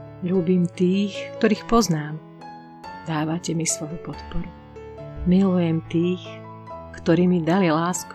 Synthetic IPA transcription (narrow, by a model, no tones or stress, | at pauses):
ʎuːbimt̪iːxkt̪ɔɾiːxpɔznaːm | d̪aːʋacɛmislɔʋupɔt̪pɔɾu | milujɛmt̪iːx | kt̪ɔɾiːmid̪alilaːsku